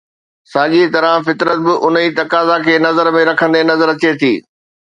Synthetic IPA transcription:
saːɠit̪ɐɾãfɪt̪ɾət̪̚bɪʔʊniːt̪ɐkaːzakʰeːnɐzəɾmẽɾɐkʰə̃nd̪enɐzəɾɐt͡ɕet̪ʰiː

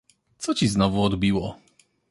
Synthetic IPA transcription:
t̪sɔt͡ɕiznɔvuɔd̪bʲiwɔ

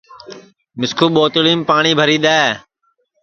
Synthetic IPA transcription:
mɪskʰuːɓoːt̪liːmpaːɳiːbʱəɾiːɗ̪aːe

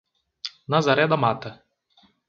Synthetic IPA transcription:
nazaɾɛd̪amat̪ə

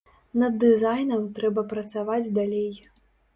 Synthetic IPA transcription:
nɐd̪ːɨzajnɐmt̪ɾɛbɐpɾɐt̪savad͡zʲd̪alʲej

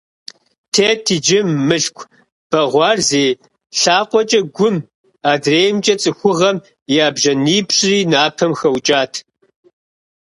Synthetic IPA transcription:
tʰeːtʰid͡ʒɪmːɨɬkʷʰʼ | b̥ɐʁʷɑːrzeː | ɬaːqʷɔt͡ʃʼɐɡʷʊm | aːdreːjmt͡ʃʼɐt͡sʼɨxʷʊʁɐm | jaːbʒɐniːpɕʼriːnaːpʰɐmxɐwt͡ʃʼaːtʰ

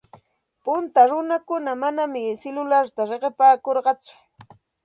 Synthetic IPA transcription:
pʊnt̪aɾʊnakʊnamanamɪsɪlʊlaɾt̪aɾeɢɪpaːkoɾɢɑt͡sʊ̥

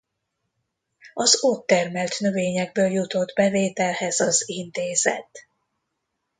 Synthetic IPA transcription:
ɒzot̪ːɛrmɛlt̪nøveːɲɛɡ̚bøːljut̪o̞d̪bɛveːt̪ɛlhɛzɒzint̪eːzɛ̰t̪

